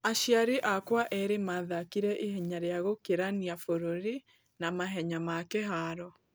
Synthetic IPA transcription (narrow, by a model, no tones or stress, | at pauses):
aʃjaɾeʔakwaʔɛɾemaðakiɾɛʔehɛɲaɾeaɣokeɾaniafoɾoɾi | namaɦɛɲamakɛɦaːɾɔ